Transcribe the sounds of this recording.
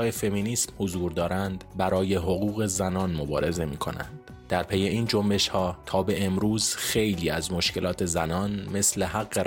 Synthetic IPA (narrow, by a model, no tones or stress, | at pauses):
ɒːjefe̞miːniːsmhozuːɾd̪ɒːɾænd̪bæɾɒːje̞ɦo̞ɣuːɣe̞zænɒːnmo̞bɒ̰ːɾe̞ze̞miːkʰo̞̰næ̰nd̪̥ | d̪æɾpʰe̞je̞iːnd͡ʒo̞mbe̞ʃhɒːt̪ʰɒːbe̞ʔemɾuːz̥xe̞jliːæzmo̞ʃce̞lɒːt̪ʰe̞zænɒːnme̞sle̞ɦæɣːe